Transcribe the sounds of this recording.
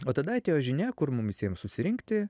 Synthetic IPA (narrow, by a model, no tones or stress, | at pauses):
oːt̪ɐd̪ɐɐt̪ʲeːjoʒʲɪnʲɛkʊɾmʊmʋʲɪsʲiɛmsʊsʲɪɾʲɪŋʲkt̪ʲɪ